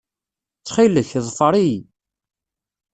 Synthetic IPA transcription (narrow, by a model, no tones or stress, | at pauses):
t͡sːχiləçðˤfəɾˤij